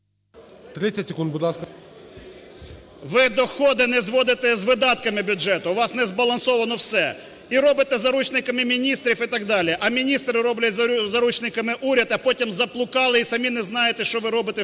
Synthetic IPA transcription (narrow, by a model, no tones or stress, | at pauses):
t̪ɾɪɐtʲsʲekund̪̚budlˠɑskɐ | ʋɪd̪ɔxɔd̪ɪnɛzʋɔd̪ɪt̪ɛzʋɪd̪ɑt̪kɐmɪbʲʊɛt̪ʊʋɑsnɛzbɐlˠɐnsɔʋɐnɔwsɛ | iɾɔbɪt̪ɛzɐɾut͡ʃnɪkɐmɪmʲinʲist̪ɾʲifit̪ɐɡd̪ɑlʲɪɛʔɐmʲinʲist̪ɾɪɾɔblʲɐzɐɾut͡ʃnɪkɐmɪʔuɾʲɐd̪ɐpɔtʲimzɐplˠʊkɑlˠɪisɐmʲinɛznɑjet̪ɛʃt͡ʃɔʋɪɾɔbɪt̪ɛ